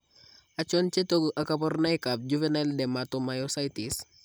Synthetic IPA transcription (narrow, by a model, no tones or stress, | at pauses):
at͡ʃɔnt͡ʃetoɡʔakapɔrnajkap̚d͡ʒuvenaldɛmatɔmajɔsajtis